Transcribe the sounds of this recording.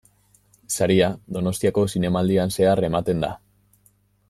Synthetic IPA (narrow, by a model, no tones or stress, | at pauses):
saɾiad̪o̞no̞st̪iako̞sine̞mald̪ianse̞are̞mat̪e̞nd̪a̰